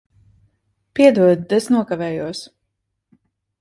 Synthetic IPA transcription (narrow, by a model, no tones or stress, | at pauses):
piɛd̪uɔd̪d̪ɛsnuɔkavɛːjuɔs